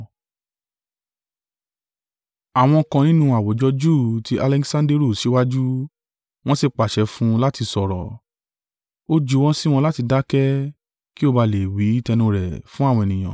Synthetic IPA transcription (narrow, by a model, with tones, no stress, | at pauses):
a˨w̃ɔ̃˧kã˧nĩ˦nũ˦a˨wo˨˦d͡ʒɔ˧d͡ʒu˦˨ti˧ʔa˧lɛ˧ksã˧nde˦ɾo˦˨ʃe˨˦wa˦d͡ʒu˦ | w̃ɔ̃˦si˧k͡pa˨ʃɛ˨˦fũ˦la˦ti˧sɔ˨ɾɔ̰˨ | o˦d͡ʒu˦w̃ɔ̃˦si˦w̃ɔ̃˧la˦ti˧da˦kɛ˦ | ki˦o˧ba˧le˨wi˨˦i˦tɛ˧nũ˧ɾɛ˨fũ˦a˦˨wɔ̃˧e˨nĩ˨j̃ã̰˨